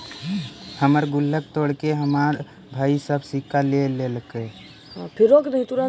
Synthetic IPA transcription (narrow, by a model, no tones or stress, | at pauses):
həməɾɡulːək̚t̪oɽkeɦəmaɾ | bʱaːisəbsikalelelke | apʰiɾoknəɦĩt̪uɾã